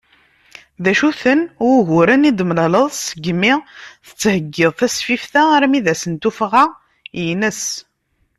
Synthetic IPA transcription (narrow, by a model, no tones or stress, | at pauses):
ðæʃuθənɦʊɾənid̪əmlɑləðˤsəɡːmɪθə̥t͡sːhəɡːɪðˤθæsfifθæɾmiðæsənt̪ufʁa | jənəs